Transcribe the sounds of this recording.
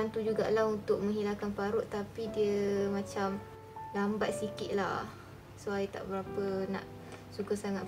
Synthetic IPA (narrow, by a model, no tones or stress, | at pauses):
ant̪ud͡ʒuɡa̰ʔlaɦunt̪ʊk̚mə̃ŋɦilakanpaɾʊʔt̪ːapidiəmãt͡ʃam | lambat̪̚sikɪt̪ʔ̪̚la̰ | suajt̪a̰ʔbəɾapənã̰ʔ | sukəsaŋa